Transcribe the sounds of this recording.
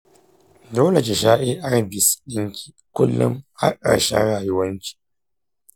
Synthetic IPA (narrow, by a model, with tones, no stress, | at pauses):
doː˦le˨k̬ʲe˨ʃaː˦ʔe˦ʔa˦ɽbɪ˨sɗɪ˦ŋkʲʰi̥ː˨kʷʊ˦lːʊ̰˦mha̰˦ʔa̰˨ɽʃɛ̰˦nɽaː˨jʊ˦wɐ˦nt͡ʃi̥˨˦